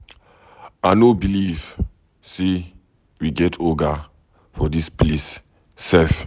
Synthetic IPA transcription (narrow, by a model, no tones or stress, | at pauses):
anobiliv | se | wiɡɛtʰoɡa | fɔdisples | sɛf